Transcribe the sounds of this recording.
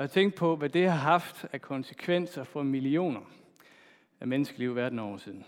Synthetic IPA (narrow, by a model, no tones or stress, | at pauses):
hɑt͡sʰeŋ̰ɡd̥̚pʰɒ̽ʋæd̥e̝hɑ̈ɦɑ̈fd̥ækʰɒ̽nsə̥kʰʋen̰sɐfɒ̽milio̝̰ːnɐ | æmenəsɡ̥əliʊ̰ʋæɐdn̩ɒ̰ːsiðˠn̩